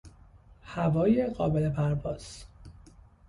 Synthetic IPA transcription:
hævɒːjeɢɒːbele̞pʰæɾbɒːz̥

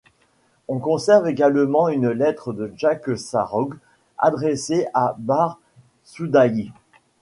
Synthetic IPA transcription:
ɔ̃kɔ̃sɛʁveɡalmɑ̃ynlɛt̪χəd̪əʒaksa̰ʁɔɡ | a̰d̪ʁeseʔabaʁ | sud̪aji

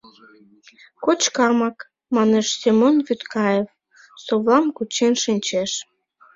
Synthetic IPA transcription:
kot͡ɕkɑmɑk | mɑneʃsemonβyt̪kɑjef | soβlɑmkut͡ɕenʃinʲt͡ɕeʃ

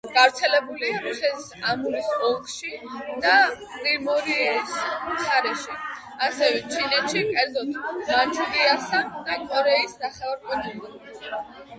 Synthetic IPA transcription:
ɡ̥avɾt̪sʰɛlɛbuliaɾusɛt̪ʰisamuɾisɔlˠɡʃid̪apʼɾiɾmɔɾismt̪ʰaɾɛʃi | asɛvɛt͡ʃʰinɛt̪ʃikʼɛɾd̪zɔt̪ʰmant͡ʃʰuɾiasad̪akʼɔɾɛisnaχɛɔɾkʼɛt̪ʰʼilɔɾ

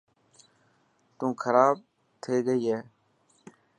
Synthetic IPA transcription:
t̪ũːkʰəɾaːb̚ | t̪ʰeːɡəiːɦɛː

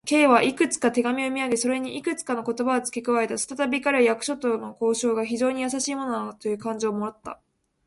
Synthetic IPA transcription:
ke̞ːβaʔikɯ̟t͡sɨ̥kat̪e̞ɡamʲio̞mʲiaɡe̞so̞ɾe̞ɲ̟iʔikɯ̟t͡sɨ̥kano̞ko̞t̪o̞baot͡sɨ̥kʲekɯ̟βae̞t̪asɨ̥t̪at̪abʲikaɾajakɯ̟ɕo̞t̪ono̞ko̞ːɕo̞ːɡaçiʑo̞ːɲ̟ijasaɕiːmo̞no̞nt̪o̞jɯ̟ːkãɲ̟d͡ʑio̞moɾat̪ːa̰

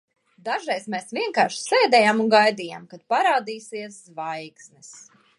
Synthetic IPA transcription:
d̪aʒɾɛjsmɛsvʲiɛŋkaːɾʃsɛːd̪ɛjaːmuŋɡajd̪ija̰ːmkad̪̚paɾaːd̪iːsiɛszvajksnɛs

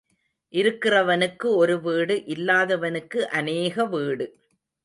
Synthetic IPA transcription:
ʔɪɾɯkːɪrɐʋɐnɯkːɯɔɾɯʋiːɽɯʔɪlːaːðɐʋɐnɯkːɯʔɐneːɣɐʋiːɽɯ

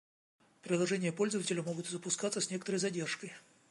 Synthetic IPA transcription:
pɾʲɪdlˠɐʐɛnʲɪjəpo̞lʲzəvətʲɪlʲʊmo̞ɡʊt̪zəpʊskat̪səsʲnʲe̞kət̪əɾəjzɐdʲe̞rʂkəj

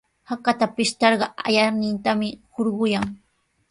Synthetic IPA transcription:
hakat̪apɪʃt̪ɑɾɢɑa̰janɪnt̪amɪhoɾɢʊjaŋ

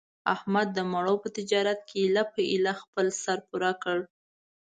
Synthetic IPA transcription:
ahmad̪ːəmaɽowpət̪ɪd͡ʒɑɾat̪̚kʰeilapəʔɪlaxpəlsaɾpuɾakəɽ

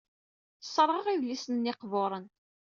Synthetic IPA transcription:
sˤːəɾˤʁəʁiðlisənːɪqvoɾˤən

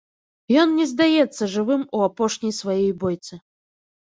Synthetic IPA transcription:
jɔnnʲɛzd̪ajɛt̪sːɐʐɨvɨmuapɔʂnʲijsvajɛjbɔjt̪sɨ

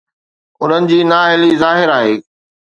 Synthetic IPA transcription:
ʊn̤ənɪ̆d͡ʑiːnaːɦɪlizaːɦɪɾaːɦeː

